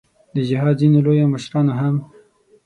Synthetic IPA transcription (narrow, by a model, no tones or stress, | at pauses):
d̪əd͡ʒɪɦɑd̪zinolojoməʃɾɑnoɦam